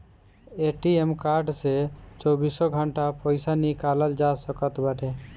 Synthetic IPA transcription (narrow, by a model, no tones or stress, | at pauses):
eʈiemkaɾɖset͡ʃɔbisɔɡʱəɳʈapɔjsanikaləld͡ʒasəkət̪baʈe